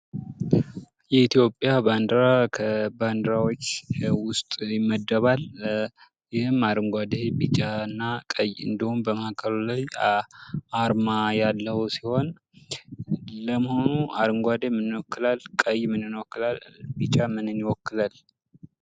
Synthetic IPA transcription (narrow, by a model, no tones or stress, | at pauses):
jɛit̪ʰijo̞pʼːjaband̪ɾakʰəband̪ɾawot͡ʃːwʊst̪ʼjɪmːəd̪ːəβal | jɪhɨmaɾɨŋɡʷad̪ebit͡ʃʼanːakʼəjɨ̰nd̪ihumbəmaakʰəlulaj | aɾmajalːəhusiho̞n | ləməho̞nuaɾɨŋɡʷad̪emɨnːwɔkːɨlalkʼəjmɨnɨnwɔkːɨlalbit͡ʃʼamɨnɨnːiwɔkːɨlal